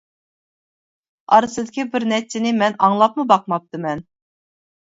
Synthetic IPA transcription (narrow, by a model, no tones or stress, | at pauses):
ɑɾɨsɨd̪ɪkʲibɪɾnɛt͡ʃʰːɪnɪmɛnɑŋlˠɑp̚mɨbɑqmɑp̚t̪ɨmɛn